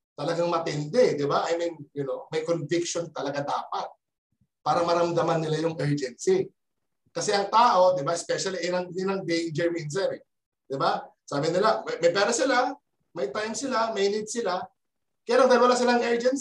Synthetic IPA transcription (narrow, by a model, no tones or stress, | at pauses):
t̪ɐlɐɡaŋmɐt̪ɛnd̪ɛd̪ɪbaʔɐjmɐjjʊno̞mɐjkonvɪkʃont̪ɐlɐɡad̪a̰ːpɐt̪̚ | paːɾɐmɐɾɐmd̪ɐmanːɪlajʊŋʔɛɹd͡ʒɛnsi | kɐsɛʔɐŋt̪aːʔo̞d̪ɪbaɪspɛʃɐliʔnɐŋɪnɐŋd̪ejnd͡ʒɛɹmins̬ɛɾɪ | d̪̥ɪbasaːbɪnɪlamɐmɐjpɛːɾɐsɪla | mɐjt̪ajmsɪlamɐjnid̪̚sɪla | kɐjaːlaŋd̪ɐnwɐlasɪlaŋʔɛɹd͡ʒɛns